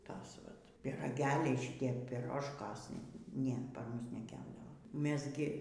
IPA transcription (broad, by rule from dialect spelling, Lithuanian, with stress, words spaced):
ˈtɐs ˈʋɐt pʲiːrɐˈɡʲæːlʲɛɪ ʃʲɪˈtʲiɛ pʲɪˈroːʃkoːs ˈnʲɛ ˈpɐr ˈmʊs nʲɛˈkʲæːbdɐʋoː ˈmʲɛs ɡʲɪ